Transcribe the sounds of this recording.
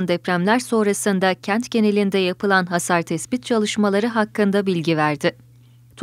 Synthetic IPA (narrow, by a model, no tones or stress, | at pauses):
nd̪ɛpɾæmlʲæɾso̞nɾasɯnd̪acʰænt̪ɟe̞ne̞lʲind̪ɛjapɯlˠanɦasaɾt̪ʰɛsbit̪̚t͡ʃʰalˠɯʃmalˠaɾɯɦakːɯnd̪abilʲɟivæɾd̪ɪ | t̪ʰ